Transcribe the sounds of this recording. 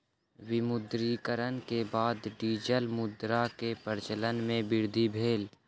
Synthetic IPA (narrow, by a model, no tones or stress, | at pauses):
wɪmʊd̪ɾikəɾənkebaːd̪ɖiːd͡ʒəlmʊd̪ɾakepəɾt͡ʃələnmẽbɪɾd̪ʱibʱeːl